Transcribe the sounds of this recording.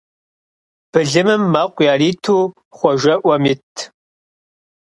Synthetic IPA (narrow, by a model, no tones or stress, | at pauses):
b̥ɨɮɨmɨmːaːqʷʼjaːriːtʰuː | χʷɔʒɐʔʷɐmitʰ